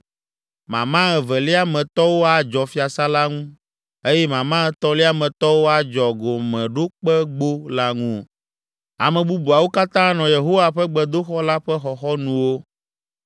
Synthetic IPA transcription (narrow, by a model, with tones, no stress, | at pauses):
mã˨mã˦ɛ˨vɛ˨li˦a˦mɛ̃˨t̪ɔ˦wo˦a˦d͡ʒɔ˨fi˦a˨sa˦la˦ŋũ˦ | e˦jɛ˦mã˨mã˦ɛ˦t̪ɔ˦li˦a˦mɛ̃˨t̪ɔ˦wo˦a˦d͡ʒɔ˨ɡo˨mɛ̃˨ɖo˦k͡pɛ˦ɡ͡bo˦la˦ŋũ˦˨ | a̰˨mɛ̃˨bu˦bu˨a˨wo˦ka˦t̪ã˦nɔ̃˨je˨ɦo˦wa˨ɸɛ˦ɡ͡bɛ˦d̪o˦xɔ˦la˦ɸɛ˦xɔ˨xɔ˦nũ˦wo˦